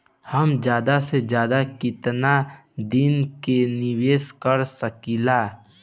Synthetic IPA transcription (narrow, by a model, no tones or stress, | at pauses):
həmd͡ʒjaːd̪ased͡ʒjaːd̪akɪt̪nad̪ɪnkenɪweːskəɾsəkilaː